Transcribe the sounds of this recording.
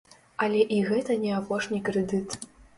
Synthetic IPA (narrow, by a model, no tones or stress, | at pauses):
ɐlʲɛʔiɣɛt̪ɐnʲɛapɔʂnʲikɾɛd̪ɨt̪